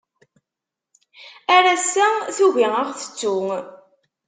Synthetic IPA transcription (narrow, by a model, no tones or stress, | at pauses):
æɾæsæθuʝiəʁθə̥t͡sːu